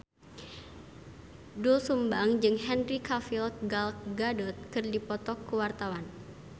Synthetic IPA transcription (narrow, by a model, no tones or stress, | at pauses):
dusumbaŋd͡ʒɨŋɦɛnrikafilt̪̚ɡalk̚ɡadɔt̪̚kɨrdipɔt̪ɔkːuwart̪awan